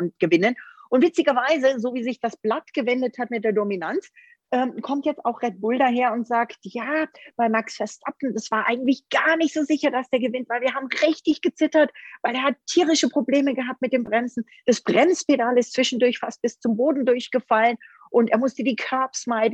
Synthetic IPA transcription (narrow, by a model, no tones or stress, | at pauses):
ʊnt̚ɡ̥əvɪnənʔʊntv̥ɪt͡sɪɡɐvaɪzəzoːviːzɪçd̥asb̥latɡ̥əvɛndəthatmɪtd̥eːɐdominant͡s | ʔɛːmkʰɔmtjɛt͡staʊxʁ̥ɛt̚b̥ʊldaɦeːɐʊntz̥aːktjaːb̥aɪmaksfɛɐʃtap̚tn̩dasv̥aːɐʔaɪɡŋ̩tlɪçɡ̥aɐnɪçtz̥oːzɪçɐdasd̥eːɐɡəvɪntv̥aɪlviːɐhaːbm̩ʁɪçtɪçɡ̥ət͡sɪtɐtvaɪleːɐhattʰːiːʁɪʃəpʁ̥obleːməɡəɦap̚tmɪtd̥eːmbʁɛnzn̩ | d̥asb̥ʁɛnspedaːlɪstt͡sv̥ɪʃn̩dʊɐçfast̚b̥ɪst͡sʊmboːdn̩dʊɐçɡ̥əfalən | ʔʊnteːɐmʊstədiːkʰœɐpsmaɪdn̩